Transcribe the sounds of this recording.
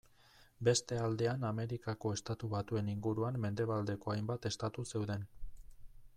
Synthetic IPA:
be̞st̪e̞ald̪e̞aname̞ɾikako̞e̞st̪at̪uβ̞at̪ue̞niŋɡuɾuamːe̞nd̪e̞β̞ald̪e̞ko̞ajmbat̪e̞st̪at̪use̞wðe̞n

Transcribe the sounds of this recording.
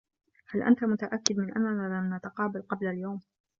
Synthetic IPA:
halʔa̰nt̪amʊt̪aʔakːɪd̪mɪnʔa̰nːanaːlamnat̪aqɑːbalqɑblaljawm

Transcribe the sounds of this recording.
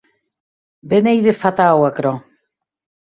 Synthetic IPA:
benejðefat̪awakɾo

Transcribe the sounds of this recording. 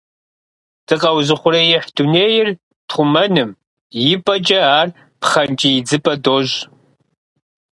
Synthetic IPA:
d̥ɨqɐwzɨχʷʊɾɐjɪħd̥uneːjɪr | tʰχʷʊmɐnɨm | jɪpʼɐt͡ʃʼɐaːr | pχɐnt͡ʃʼijɪd͡zɨpʼɐdoʒ

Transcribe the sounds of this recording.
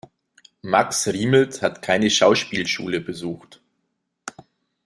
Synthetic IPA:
maksʁiːml̩thatkʰaɪnəʃaʊʃpiːlʃṵːləbəzuːxt

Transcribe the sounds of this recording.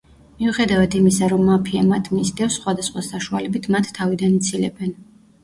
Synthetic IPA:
miuχɛd̪avad̪imisaɾɔmːapʰiamat̪ʰmisd̪ɛfsːχwad̪asχwasaʃualɛbit̪ʰmat̪ʰːavid̪anit̪sʰilɛ̰bɛn

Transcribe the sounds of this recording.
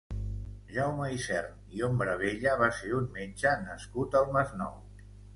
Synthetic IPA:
ʒawməisɛ̰rn | iombɾəβ̞eʎəβ̞aseɾunmed͡ʒənəskut̪əlˠməznɔ̰w

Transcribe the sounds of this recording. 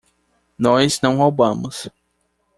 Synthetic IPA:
nɔjznɐ̃w̃howbɐ̃mʊs

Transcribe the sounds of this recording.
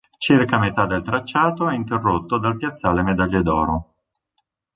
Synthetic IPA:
t͡ʃirkamet̪ad̪elt̪ɾat͡ʃːaːt̪oɛint̪erːot̪ːod̪alpjat̪sːaːlemed̪aʎːed̪ɔːɾo

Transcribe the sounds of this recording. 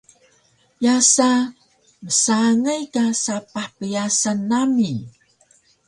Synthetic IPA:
jasa | məsaŋəjkasapaħpəjasanːami

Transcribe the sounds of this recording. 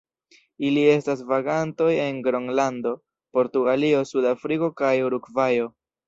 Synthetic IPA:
ilie̞stas̬vaɡanto̞je̞ŋɡɾoŋlando̞ | po̞ɾtuɡalio̞sudafɾiko̞kajuɾukvajo̞

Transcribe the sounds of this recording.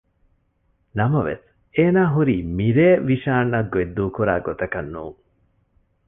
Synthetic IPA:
nɐmɐʋḛs | eːnaːɦuɾiːmiɾeːʋiʃaːnːɐɡued̪ːuːkuɾa̰ːɡot̪ɐkɐnːuːŋ

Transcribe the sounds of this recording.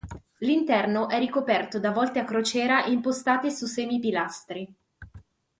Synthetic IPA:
lint̪ɛrnoʔɛrːikopɛrt̪od̪avɔlt̪eakːɾot͡ʃɛːɾaʔimpost̪aːt̪esusɛːmipilast̪ɾi

